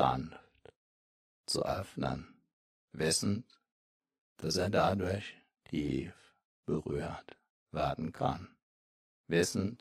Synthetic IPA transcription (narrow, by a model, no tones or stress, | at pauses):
a̰nft | t͡sṵʔœfnə̰n | vɪsn̩ | d̥aseːɐdadʊɐç | tʰiːf | b̥əʁy̰ːt | v̥eɐdn̩kʰa̰n | vɪsn̩